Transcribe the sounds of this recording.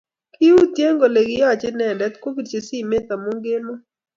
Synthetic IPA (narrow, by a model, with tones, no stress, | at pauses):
kɪ˦u˦t̪je˦ŋɡo˨le˨ɡɪ˦ja˦˨t͡ʃɪ˦nɛ˨ndɛ˨˦t̪ko˦ki˨dt͡ʃe˨si˦˨me˦t̪a˨mo˦ŋɡe˦lo˦